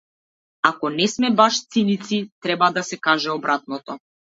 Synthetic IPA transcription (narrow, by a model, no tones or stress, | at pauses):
akɔnɛsmɛbaʃt̪sinit̪sit̪ɾɛbad̪asɛkaʒɛɔbɾat̪̚nɔt̪ɔ